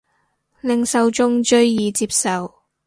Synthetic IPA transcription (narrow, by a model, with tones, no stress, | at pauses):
lɪ˨ŋsɐ˨˧wt͡ʃʊ˥ŋt͡ʃɵ˥ɥjiː˨t͡siː˧˥p̚sɐ˨w